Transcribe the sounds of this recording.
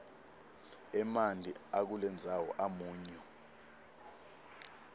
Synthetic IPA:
ɛmand͡ɮʱḭak̬ulɛnd͡zʱawɔʔamuːɲɔ

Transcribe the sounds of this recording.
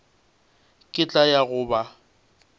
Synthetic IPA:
kʼɪt͡ɬʼajaɣʊːba

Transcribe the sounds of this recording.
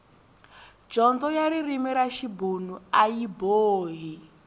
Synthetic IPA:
d͡ʒɔnd͡zɔjaɾiɾimiɾaʃibunuajiboːɦi

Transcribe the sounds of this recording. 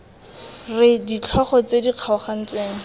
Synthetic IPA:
rɪdit͡ɬʰɔχɔt͡sediq͡χʰaɔχan̩t͡sweːŋ̩

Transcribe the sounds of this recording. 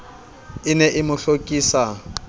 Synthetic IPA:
ɪnɛʔɪmʊɬokʼiːsa

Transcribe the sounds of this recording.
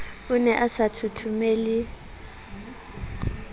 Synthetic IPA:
ʊnɛʔasatʰutʰumeːlɪ

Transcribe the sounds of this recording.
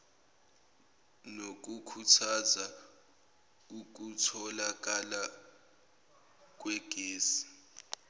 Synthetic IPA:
nok̬ukʰutʰaza | uk̬utʰɔlak̬ʼala | k̬ʼwɛɡ̥ʱeːsi̥

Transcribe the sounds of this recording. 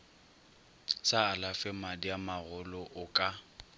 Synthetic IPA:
saːlafɛmadiamaɣʊlɔʔʊkʼa

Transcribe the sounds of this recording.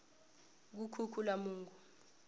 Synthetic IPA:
k̬ukʰukʰulamuːŋɡʱu

